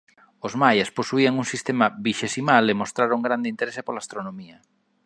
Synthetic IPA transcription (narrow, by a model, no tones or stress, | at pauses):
ozmajesposuiaŋuŋsist̪emɐβiʃesimalɪmost̪ɾaɾoŋɡɾand̪ɪint̪eɾesepolast̪ɾonõmiɐ